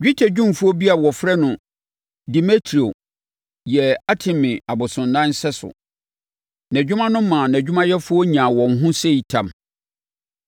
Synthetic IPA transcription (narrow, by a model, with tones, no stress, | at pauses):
ɥᶣi˦tʰɛ˨d͡ʑᶣũ˦m˨fu˦ɔ˦bi˦a˨wɔ˨fɾɛ˦nʊ̃˨ | di˨me˦tʰɾi˨o˨ | jɛ˨a˦tʰɪ̃˨mɪ̃˨a˨bʊ˨sʊ̃˨ndã˦n˦sɛ˦sʊ̰˨ | næ̃˨d͡ʑᶣʊ˦mã˦nʊ̃˦m˦mːã˨næ̃˨d͡ʑᶣu˦mã˦jɛ˦fʊ˦ɔ˦ɲã˨wɔ̃˨ŋ˨ɦʊ̃˦se˦i˨tʰã˨m